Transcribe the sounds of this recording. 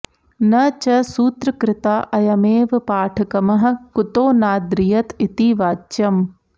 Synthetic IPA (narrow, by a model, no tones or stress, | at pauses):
nɐt͡ʃɐsuːt̪ɾɐkɾɪt̪aːʔɐjɐmeːʋɐpaːʈʰɐkɐmɐɦɐ̆kut̪oːnaːd̪ɾijɐt̪ʰit̪iːʋaːt͡ʃɐm